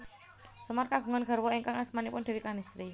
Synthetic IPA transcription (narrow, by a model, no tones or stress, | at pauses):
səmarkaɡ̥ṳŋanɡ̥ə̤rwɔiŋkaŋasmanipʊnd̥̪e̤wikanist̪ɾi